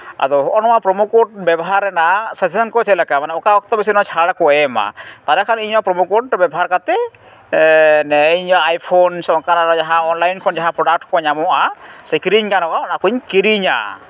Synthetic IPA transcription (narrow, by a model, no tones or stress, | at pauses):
a̰d̪ɔɦɔʔɔnɔapɾɔmukɔʈ̚bɛbɔɦaɾɛnasesisankɔt͡ʃʰɛlakamanɛɔkawɔk̚t̪ɔbis̬inat͡ʃʰaɽakɔɛma̰t̪aɾɛkʰaniɲapɾɔmukɔʈbɛbɔɦaɾkat̪ɛ | nɛiɲaːjpʰonsɔŋkanaɾɔd͡ʒaɦãɔnlajnkʰɔnd͡ʒaɦãpɾɔɖak̚ʈkʰɔɲamɔʔasekɾiɲkanɔkaɔnakuɲkiɾiɲa̰